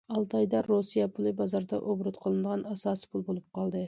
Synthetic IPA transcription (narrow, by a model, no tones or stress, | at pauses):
ɑlˠt̪ʰɑjd̪ɑɾosijɑpʰulˠɨbɑzɑɾd̪ɑʔobɾʊt̪qʰəlˠɨnɨd̪əʁɑnɑsɑːsɨ̥pʰulˠbolˠup̚qʰɑlˠd̪ɨ